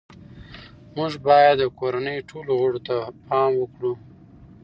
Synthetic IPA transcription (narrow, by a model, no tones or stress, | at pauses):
mʊʐbɑjad̪ːəkoɾanəjʈʰoloɣoɽot̪apɑmwəkɽu